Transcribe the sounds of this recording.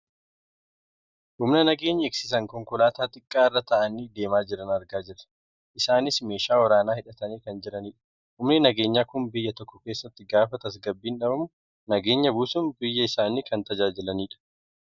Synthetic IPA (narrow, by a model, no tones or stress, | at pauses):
ʔʊmnɐnɐɡe̞ːɲːɐɪksɪs̬ɐŋkɔŋkʊlaːt̪aːt̪ʼɪkʼːaːɪrːɐt̪ɐʔɐniːd̪e̞ːmaːd͡ʒɪɾɐnɐɾɡaːd͡ʒɪɾɐ̥ | ʔɪsaːnɪsme̞ːʃaːwɐɾaːnaːhɪᶑɐt̪ɐniːkɐnd͡ʒɪɾɐniːᶑɐ̥ | hʊmnɪnɐɡe̞ːɲːaːkʊmbɪjːɐt̪ɔkːɔke̞ːsːɐt̪ːɪɡaːfɐt̪ɐs̬ɡɐbːiːnᶑɐbɐmʊ | nɐɡe̞ːɲːɐbuːsʊmbɪjːɐɪsaːniːkɐnt̪ɐd͡ʒaːd͡ʒɪlɐniːᶑɐ̥